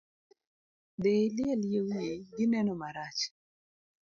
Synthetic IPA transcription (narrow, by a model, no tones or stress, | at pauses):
delɪɛljewjeɡɪnɛnɔmaɾat͡ʃ